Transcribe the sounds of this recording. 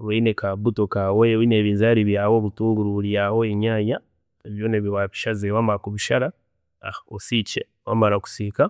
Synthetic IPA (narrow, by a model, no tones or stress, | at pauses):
βeinekabutokawewineːβiːnzaɾiβjaːwoβutuːŋɡuɾuɾiahoeɲaːja | eβjoːneβiwaβiʃazewamaɾakuβiʃaɾa | a̰haosice | wamaɾaku̥sika